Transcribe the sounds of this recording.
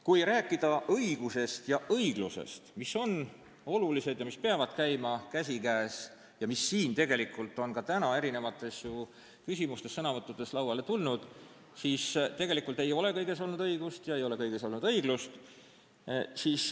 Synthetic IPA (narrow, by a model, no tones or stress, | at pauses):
kujɾæːkːˑid̪̥ɑʔɤiɡ̥use̞st̪jɑʔɤjɡ̥luse̞̰st̪misːo̞n | o̞lulise̞d̪̥jɑmispeɑvɑd̪̥kæjmɑkæsʲikæːs | jɑmisːiːnt̪e̞ɡe̞likːˑult̪ːˑo̞nkɑt̪ænɑe̞ɾine̞vɑt̪ːˑe̞sju | kysʲimust̪e̞sːɤnɑvɤt̪ˑːud̪̥e̞slɑwɑle̞t̪ulnud̪̥ | siːst̪e̞ɡe̞likːˑult̪e̞jo̞le̞kɤjɡ̥e̞s̬o̞lnud̪ɤiɡ̥ust̪jɑe̞jole̞kɤjɡ̥e̞so̞lnud̪̥ɤiɡlust̪ | siːs